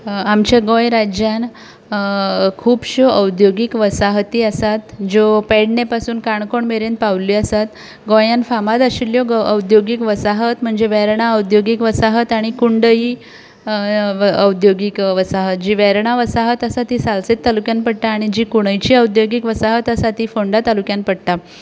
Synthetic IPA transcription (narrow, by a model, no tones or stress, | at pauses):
amt͡ɕjaɡõjɾad͡ʑjan | kʰuːbɕoəwd̪joɡikʋəsaɦt̪iəsat̪d͡ʑopɛɽnepasuːnkaɳkoɳmeɾent̪̚paʋliəsat̪ | ɡõjãnfamad̪əɕiljɔəwd̪joɡikʋəsaɦət̪m̤əɳd͡zeʋɛɾɳaəwd̪joɡikʋəsaɦət̪aɽ̃ikuɳɖəiː | əwd̪joɡikʋəsaɦət̪̚d͡ʑiːʋɛɾɳ̃aʋəsaɦət̪əsat̪iːsalset̪ːalukjanpəɽʈ̪aːɽ̃id͡ʑiːkuɽ̃əjt͡ɕiːəwd̪joɡikʋəsaɦət̪əsat̪iːfoɳɖat̪alukjãnpəɽt̪a